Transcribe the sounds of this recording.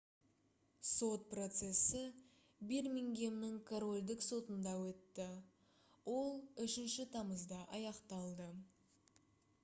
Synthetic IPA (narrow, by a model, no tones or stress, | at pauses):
so̞t̪̚pro̞t̪se̞sɪ | biɾmʲiŋɡʲe̞mnɪŋkʰoɾo̞lʲd̪ɪkso̞t̪ənd̪ɑwɵt̪ːɪ | wo̞lˠʏʃɪnʃɪt̪ʰɑməzd̪ɑʔɑjɑqt̪ɑlˠd̪ə